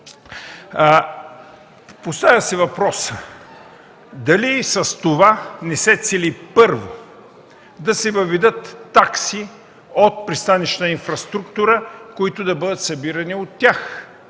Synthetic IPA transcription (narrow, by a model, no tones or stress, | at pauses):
post̪avʲəsɛvɐpɾɔsə | d̪ɐlisɐst̪ovanɛsɛt̪sɛlipɤɾvo | d̪ɐsɛvɐvɛd̪ət̪ːaksi | ot̪̚pɾist̪aniʃinfɾɐst̪ɾukt̪ʊɾəkoit̪ʊd̪ɐbɤd̪ət̪sɐbiɾɐniot̪ʲːjax